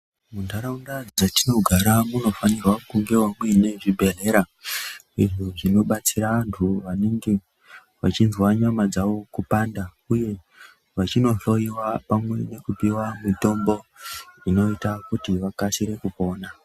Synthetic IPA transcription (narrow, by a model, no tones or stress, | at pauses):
mundaɾaundad͡zatino̞ɡʱaɾamuno̞fanirwakuŋɡe̞wamwene̞ʐibʱe̞ɮe̞ɾa | ḭʐoʐino̞ɓat͡siɾaʋantʰuʋaneŋɡe̞ | ʋat͡ʃinzwaɲamad͡zaʋo̞kupaːnda | uje̞ | ʋat͡ʃino̞ɬo̞jiwapamwe̞ne̞kupiwamito̞mbo̞ino̞itakutiʋakasiɾe̞kupo̞ːna